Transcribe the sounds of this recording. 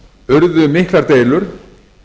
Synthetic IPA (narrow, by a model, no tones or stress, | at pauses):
ʏɾðʏmɪhklaɾt̪eːjlʏɾ̥